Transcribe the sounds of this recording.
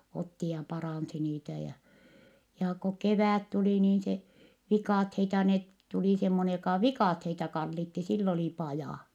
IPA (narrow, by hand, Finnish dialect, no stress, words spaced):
otːi jɑ pɑrɑˑnsi niːtæ jɑ jɑː ko keʋæˑt tuliˑ niːn se ʋikɑˑtheitɑ net tuli semːonej jokɑˑ ʋikɑˑtheitɑ kɑlːitːi silː oli pɑjɑˑ